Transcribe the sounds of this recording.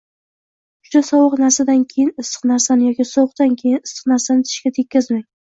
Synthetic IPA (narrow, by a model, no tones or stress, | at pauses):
ʊ̥ʃasɒwɨqnaɾsad̪ankʲʰe̞jɪnɪsɨ̥qnaɾsanɪjɒkʲisɒwɨq̚t̪ankʲʰe̞jɪnɪsɨ̥qnaɾsanɪt̪ʰɪ̥ʃkʲat̪ʰe̞kʲːazmaŋʲ